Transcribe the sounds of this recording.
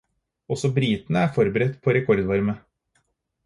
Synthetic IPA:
ɔsɔbɾiːt̪nəæːɾfɔɾbəɾɛt̪ːpʰoɾɛkʰɔɾd̪ʋɑɾmə

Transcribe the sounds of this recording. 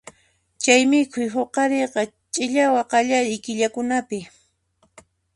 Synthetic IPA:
t͡ʃajmɪkʰʊjɦoqɑɾeqɑ | t͡ʃʼɪʎawɑqɑʎaɾɪjkɪʎakʊnapɪ

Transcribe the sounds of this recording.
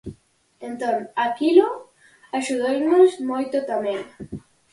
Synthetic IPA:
ent̪õŋakilo | aʃuðojmozmojt̪ot̪amẽŋ

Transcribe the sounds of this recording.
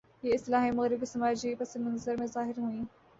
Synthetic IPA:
jeɪst̪ɪlaːɦimɐɣɾɪbisɐmaːd͡ʒipɐsɪmɐnzəɾmẽzaːɦɪɾɦuĩː

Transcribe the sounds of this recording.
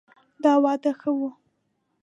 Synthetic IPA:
d̪ɑwɑd̪axəwu

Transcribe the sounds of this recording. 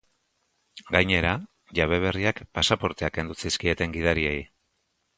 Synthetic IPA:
ɡajɲe̞ɾa | ʝaβ̞e̞β̞e̞riakpasapo̞ɾt̪e̞ake̞nd̪usiskie̞t̪e̞ŋɡið̞aɾie̞j

